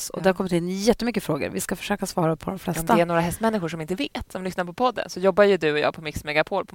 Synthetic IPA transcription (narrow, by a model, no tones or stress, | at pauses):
ɔ̰d̪ɛhaɾkʰɔmːɪt̪ɪnːjɛt̪ːəmʏkːəfɾoːɡə̰ɾvɪskafœ̥ʂøːkasvɑːɾapʰɔd̪ɔmflɛsɔtmd̪aɛæɳoːɾaɦɛst̪mɛnːɪɧʊʂɔmɪnt̪əveːt̪sɔmlʏsnaɾpʰɔpʰɔd̪ːə̰nsɔjɔbːajɵd̪ɵɔjɑ̰ːɡ̚pʰɔmɪksmɛɡapʰoːɾpʰɔ